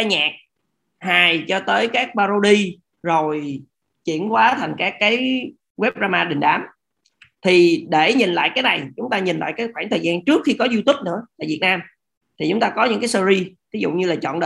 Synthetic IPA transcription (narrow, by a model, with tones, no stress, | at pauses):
aː˧jɲaː˨˩k̚ | haː˨˩jt͡ɕɔ˧t̪əː˨˦jkaː˦˥k̚ɓaː˧zo˧ɗi˧ | zo˨˩j | t͡ɕḭ˧˩˨ənkwaː˨˦t̪ʰa˨˩jŋ̟kaː˦˥kːaː˨˦j | wɛ˦˥p̚zaː˧maː˧ɗï˨˩ŋ̟ɗaː˨˩m | t̪ʰi˨˩ɗe˧˩ɲi˨˩nla̰ː˧˨jkaː˨˦jna˨˩jt͡ɕʊ˨˦ŋ͡mt̪aː˧ɲi˨˩nla̰ː˧˨jkaː˨˦jxwaː˧˩ŋt̪ʰəː˨˩zaː˧nt͡ɕɨ˦˥ək̚xi˧kɔ˨˦zu˧t̪u˦˥p̚nɨ̰˧˥ət̪a̰ː˧˨jvi˨˩ət̚naː˧m | t̪ʰi˨˩t͡ɕʊ˨˦ŋ͡mt̪aː˧kɔ˨˦ɲɨ̰˧˥ŋkaː˨˦jsə˧zi˧vi˨˦zʊ̰˧˨ɲɨ˧laː˨˩t͡ɕɔ̰˧˨nɗə̰ː˧˨